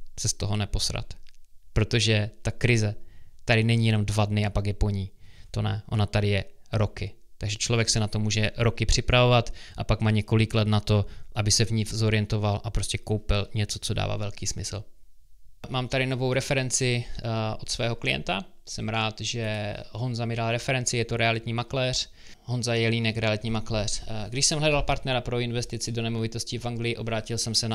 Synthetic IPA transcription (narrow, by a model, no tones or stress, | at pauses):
sɛst̪o̞ɦo̞nɛpo̞sɾa̰t̪pɾo̞t̪o̞ʒɛt̪akɾɪzɛt̪aɾɪnɛɲijɛno̞mdvadnɪapakjɛpo̞ɲit̪o̞nɛʔo̞̰nat̪adɪjɛɾo̞kɪ | t̪aɡʒɛt͡ʃlo̞vjɛksɛnat̪o̞muːʒɛɾo̞kɪpr̥ɪpɾavo̞vat̪ʔapakmaːɲɛko̞lɪklɛt̪nat̪o̞ʔabɪsɛvɲɪfzo̞ɾɪjɛnt̪o̞valʔapɾo̞scɛkowpɪlɲɛt͡so̞t͡so̞da̰ːva̰ːvɛlkiːsmɪsl̩ | maːmt̪aɾɪnovo̞wɾɛfɛɾɛnt͡sɪʔot̪svɛːɦoklɪjɛ̰nt̪asɛmɾaːt̪ʒɛɦonzamɪdalɾɛfɛɾɛnt͡sɪjɛt̪oɾɛalɪt̪ɲiːmaklɛːr̝̥ | ɦo̞nzajɛliːnɛkɾɛalɪt̪ɲiːmaklɛːr̝ɡdɪʃsɛmɦlɛdalpaɾt̪nɛɾapɾo̞ɪnvɛst̪ɪt͡sɪdo̞nɛmovɪt̪o̞scɪfʔaŋɡlɪjɪʔo̞bɾaːcɪlsɛmsɛn